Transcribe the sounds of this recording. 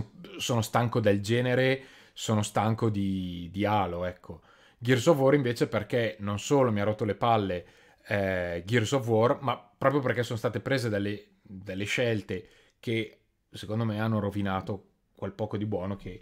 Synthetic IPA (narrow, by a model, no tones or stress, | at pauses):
soːnost̪aŋkod̪eld͡ʒɛːneɾe | soːnost̪aŋkod̪id̪iaːloɛkʰːo | ɡirsovɔɾiɱveːt͡ʃeperkenonsoːlomiarɔt̪ːolepalːe | ɛɡirsovɔrmapːɾɔːpɾjoperkɛsoːnost̪aːt̪epɾeːzed̪elːe | d̪elːeʃɛlt̪e | ke | sekond̪omeanːoɾovinaːt̪o | kwelpɔːkod̪ibwɔːnokʰe